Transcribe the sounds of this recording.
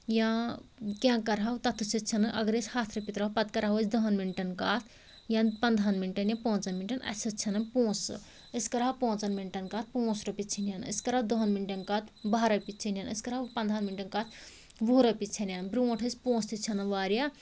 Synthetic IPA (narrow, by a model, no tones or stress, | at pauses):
jã | kjãkɐɾɦawt̪ɐt̪ʰusʰɐt͡ʃʰɐnɨʔɐɡɾesʲhaːt̪ʰɾɐpit̪ɾɐɦpɐt̪kɐɾaɦɐət͡sʰd̪ɐɦɐnminʈɐnkaːt̪ʰ | jãnpɐnd̪ʱanminʈɐnjãpõːt͡sɐnminʈɐnɐ̰sʰɐt͡ʃʰɐnɐpõːs | əskɐɾawpõːt͡sɐnminʈɐnkaːt̪̚ʰpõːsɾɐpit͡ʃʰinjanəskɐɾaːwd̪ɐɦɐnminʈɐnkaːt̪ʰbaɾɐpit͡ʃʰinʲjanəskɐɾɦawpɐnd̪ʱanminʈɐnkaːt̪ʰ | ʋoːɾɐpit͡ʃʰɐnjanbɾuõʈʰəsʲpõːst̪ʰit͡ʃʰɐnɐʋaːɾja